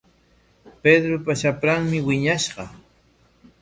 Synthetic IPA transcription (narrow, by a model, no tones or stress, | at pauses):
ped̪ɾopaʃapɾaŋmɪwɪɲaʃɢɑ